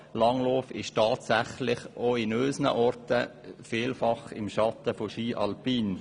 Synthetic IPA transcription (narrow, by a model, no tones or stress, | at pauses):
lɑŋloːfɪʃtɑːtsæχlɪχʔoɪnøːsnə̰ʔɔrtəfɪːlfɑχɪ̰mʃɑt̪əfoʃiːʔɑlpiːn